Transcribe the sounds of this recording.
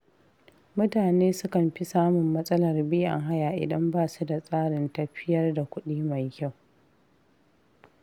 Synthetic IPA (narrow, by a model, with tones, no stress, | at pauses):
mʊ˦taː˨neː˦sʊ˦kɐ˨mɸi˦saː˦mʊ˨mːɐ˦sʼɐ˦lɐ˨rbiː˦ʔa̰˨ŋɦa˦jaː˨ʔɪ̰˨dɐ˦mbaː˦su˦da˨sʼaː˦ɾɪ˨ntɐ˦ɸɪ˦jɐ˦rda˨kʷʊ˦ɗiː˦ma˨jkʲa˦˨w